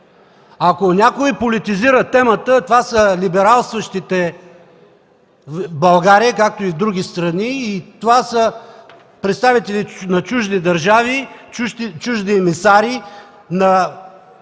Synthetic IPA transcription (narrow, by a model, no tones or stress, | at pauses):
akonʲakoipolʲit̪iziɾət̪ɛmət̪ət̪ovasəlibɛɾalˠst̪vəʃt̪it̪ɛ | bɐlˠɡaɾiəkak̚t̪oivd̪ɾuɡ̟ʲist̪ɾɐniːt̪ovasə | pɾɛt̪st̪avit̪ɛlinɐt͡ʃuʒd̪id̪ɐɾʒavi | t͡ʃuʒd̪iɛmisaɾi | nɐ